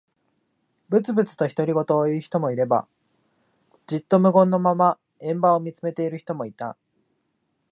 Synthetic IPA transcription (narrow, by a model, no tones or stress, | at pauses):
bɯ̟t͡sɨbɯ̟t͡sɨ̥t̪o̞çi̥t̪o̞ɾʲiɡo̞t̪o̞ːiçi̥t̪o̞mo̞iɾe̞ba̰ | d͡ʑit̪ːo̞mɯ̟ɡõ̞nːo̞mama | ẽ̞mbao̞mʲit͡sɨme̞t̪e̞iɾɯ̟çi̥t̪omo̞it̪a